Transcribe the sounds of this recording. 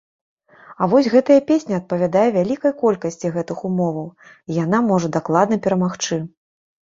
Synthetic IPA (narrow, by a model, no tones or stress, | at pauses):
ɐvɔsʲɣɛt̪ɐjɐpʲesʲnʲiɐt̪̚pɐvʲad̪ajɛvʲalʲikɐjkɔlʲkɐsʲt͡sʲiɣɛt̪ɨxumɔvɐw | ijanamɔʐɐd̪aklˠad̪nɐpʲɛɾɐmaxt͡ʂɨ